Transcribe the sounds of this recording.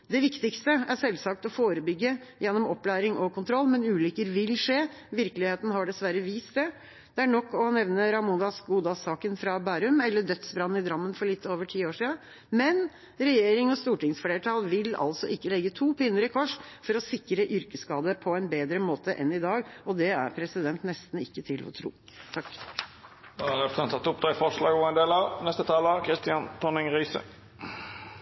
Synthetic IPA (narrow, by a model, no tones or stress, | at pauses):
d̪ɛʋɪkt̪ɪkst̪əæʂɛlsɑk̚t̪ɔfoːɾəbʏɡːəjɛnːɔmɔpːlæːɾɪŋʔɔkʰʊnt̪ʰɾɔlːmɛnʉːlʏkəɾʋɪlʂeː | ʋɪɾkəlɪheːt̪nɦɑɖɛsʋæɾəʋiːst̪̚d̪ɛ | d̪̥ɛæɳɔkːɔnɛʋnəɾɑmʊnd̪ɑsɡuːd̪ɑsɑːkənfɾɑbæːɾʉmɛlːəɖœt̪sbɾɑnːn̩ɪd̪ɾɑmːənfɔɭɪt̪ːoːʋəʈʰiːoːʂiːə | mɛn | ɾɛjeːɾɪŋɔst̪uːʈɪŋsfɽeːʈʰɑːlʋɪlɑ̰lsɔʔɪkːəlɛɡːət̪ʰuːpʰɪnːəɾəkʰɔʂfɔɾɔsɪkɾəʔʏɾkəskɑːd̪əpʰɔɛnbeːd̪ɾəmoːt̪əʔɛ̰nɪd̪ɑːɡɔd̪ɛæ̰ɾpʰɾɛsɪd̪ɛnt̪nɛst̪n̩ɪkːət̪ʰɪlʔɔ̰t̪ʰɾṵː | t̪ʰɑkː | d̪ɔɑɾɛft̪ɑnt̪ʰɑt̪ːʊp̚d̪ɑːɪfɔʂɭɑ̰ːɡɔɛnd̪eːlɑʋnɛst̪ət̪ʰɑːləɑkʰɾɪst̪ɪɑnp̪ʰɔnɪŋʁiːsə̰